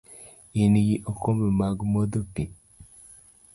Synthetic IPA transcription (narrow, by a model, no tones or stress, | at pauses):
iniɡiʔokomemaɡmod̪opi